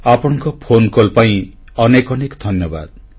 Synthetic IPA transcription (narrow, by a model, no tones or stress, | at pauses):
apɔɽ̃ɔŋkɔpʰonkolpaĩ | ɔnekɔnekd̪ʱɔnjɔba̰d̪